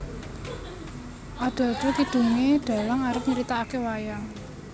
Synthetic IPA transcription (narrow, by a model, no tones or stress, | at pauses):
ʔaɖ̪̥ɔ̤ɖ̪̥ɔ̤kiɖ̪̥ṳŋeɖ̪̥a̤laŋaɾəp̚ɲəɾit̪aakewajaŋ